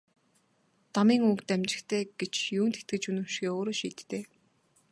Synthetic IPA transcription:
t̪amiːŋukt̪æmt͡ɕɪ̆xt̪ʰeːɡet͡ɕjuːnt̪ʰet̪̚ɡɘ̆t͡ɕunɵ̆w̥ʃɣeːoːɾoːʃiːt̪ːeː

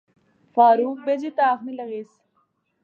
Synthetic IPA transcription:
faːɾuːk̚bed͡ʑiːt̪aːxnilɐɣiːs

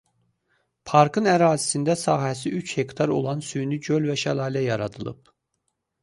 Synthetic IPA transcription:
pʰɑɾkʰɯnæɾɑːzisind̪æsɑːɦæsiyt͡ʃhe̞kt̪ʰɑɾo̞̰lˠɑnsyjnyɟølvæʃælˠɑːlæjɑɾɑd̪ɯlˠɯ̰p̚

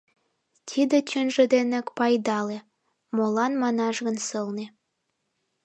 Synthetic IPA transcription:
t̪ʲʰid̪et͡ɕʲønʒə̆d̪enekpɑjd̪ɑle | molɑnmɑnɑʒɣə̆nsəlnĕ

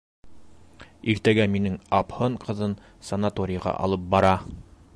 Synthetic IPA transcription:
iɾt̪æɡæminɘŋɑphɤɴqɤ̆ðɤn | sɐnat̪oɾʲɪjʁɑ̰ʔɑ̰lˠɤp̚bɑɾɑ

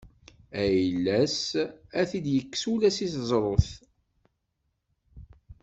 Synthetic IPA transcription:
æjlːæsæθid̪jəkːsulæsiθzˤɾˤoθ

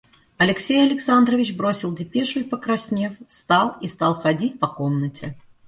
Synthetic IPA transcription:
ɐlʲɪksʲejɐlʲɪksand̪ɾɐvʲit͡ɕbɾosʲilˠdʲɪpʲeʂʊipɐkɾasʲnʲefst̪alˠist̪alˠxad͡zʲitʲpɐkomnət͡sʲɛ

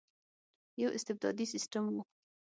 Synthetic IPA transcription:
jawʔɪ̰st̪ɪb̚d̪ɑ̰d̪isɪsʈamwu

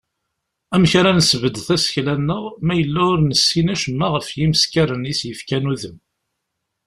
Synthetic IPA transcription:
æmçɾanəsəvəd̪θæsə̥çlænːəʁmæjəlːæʊɾnəsːinæʃəmːæʁəfjiməskæɾənisjəfkænuðəm

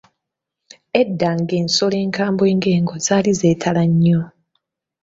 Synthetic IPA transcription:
edːaːŋɡe̞ːnso̞le̞ːŋkaːmbwe̞ːŋɡe̞ːŋɡo̞zaːlize̞ːtʰalaɲːo

